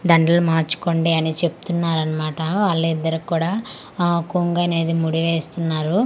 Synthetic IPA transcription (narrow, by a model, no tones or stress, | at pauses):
d̪ɐɳɖɐlumaːɾt͡ʃu̥ko̞ɳɖiɐnit͡ʃe̞pu̥t̪unːaːɾɐnɐmaːʈɐʋaːɭːuid̪ːɐɾukuːɽaː | kuŋɡɐne̞ːd̪imuɽiʋeːst̪unːaːɾu